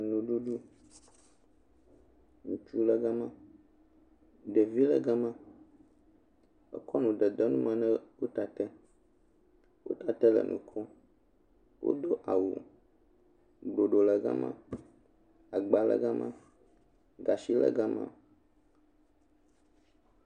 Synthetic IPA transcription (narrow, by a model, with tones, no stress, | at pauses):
nũ˨ɖu˦ɖu˦ | ŋũ˨t͡ʃu˦lɛ˨ɡa˦mã˦ | ɖɛ˨vi˦lɛ˦ɡa˦mã˦ | ɛ̰˨kɔ˦nũ˨ɖɛ˨d̪ɛ˦nũ˦mã˨nɛ̃˦wo˦t̪a˨t̪ɛ˦ | wo̰˦t̪a˨t̪ɛ˦lɛ̰˨nʔṵ̃˨kʰɔ˦ | wo̰˦d̪o˦ʔa˨wṵ˨ | ɡ͡blo˨ɖo˨lɛ˨ɡa̰˦mã̰˦ | a˨ɡ͡ba˨lɛ̰˦ɡa˦mã˦ | ɡa˨ʃi˦lɛ̰˦ɡa˦mã̰˦